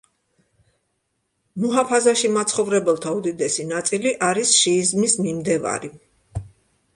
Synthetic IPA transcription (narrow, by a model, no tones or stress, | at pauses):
nuɦapʰazaʃimat̪sʰχɔvɾɛbɛlˠt̪ʰaud̪id̪ɛsinat̪sʼiliʔaɾisʃiːzmismimd̪ɛva̰ɾi